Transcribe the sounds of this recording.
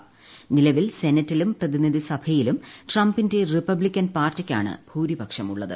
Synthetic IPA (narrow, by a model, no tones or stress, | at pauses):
nilɐʋilse̞nɐtːilumprɐðinid̪ʱisɐbʱɐjilumʈrɐmbinde̞ripɐblikʲːɐnpaːrtːikʲːa̰ːɳɨ̰b̥ʱuːɾibʱɐkʂɐmuɭːɐðɨ̰